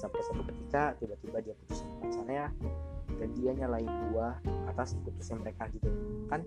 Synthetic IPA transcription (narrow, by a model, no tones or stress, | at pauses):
sampasapakət̪ikat̪ibat̪ibadiapu̥t̪usanpəmat͡ʃanaɲadandiaɲalaɪnduaat̪asput̪ʊsɲaməɾekadit̪ukan